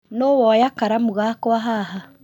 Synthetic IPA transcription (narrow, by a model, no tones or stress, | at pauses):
nowɔjakaɾamuɣakwaɦaɦa